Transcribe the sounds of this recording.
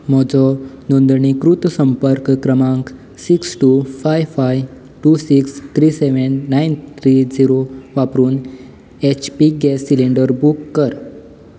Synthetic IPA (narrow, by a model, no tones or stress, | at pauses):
mɔd͡zɔnond̪ɳikɾut̪səmpəɾkːɾəmãŋk | siksʈufajfaj | ʈusikst̪ʰɾiseʋənːaint̪ʰɾid͡ziɾoʋapɾuːn | et͡ɕpiɡɛsiliɳɖəɾbukːəɾ